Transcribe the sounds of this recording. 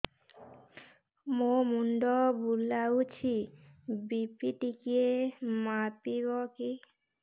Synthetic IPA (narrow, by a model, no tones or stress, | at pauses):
momuɳɖɔbulawt͡ɕʰibipiʈikiemapibɔki